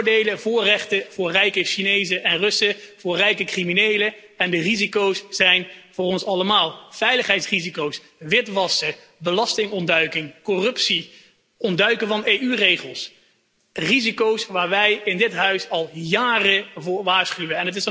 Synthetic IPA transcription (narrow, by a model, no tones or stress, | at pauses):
ɹdejləvʊːɹrɛχtəv̥ʊːɹrɛjkəʃinejzəʔɛnrɵsəv̥ʊːɹrɛjkəkriminejlə | ɛndərizikowsːɛjnv̥ʊːrɔnsɑləmaːlˠv̥ɛjləχɦɛjtsrizikows | ʋɪtʋɑsə | bəlɑstɪŋɔndœɥkɪŋkɔrɵpsi | ɔndœɥkəvɑnejyrejχəlˠs | rizikowsʋaːɹʋɛjɪndɪtɦœɥsɑlˠjaːrəvʊːɹʋaːɹsχyʋəɛnət̬ɪs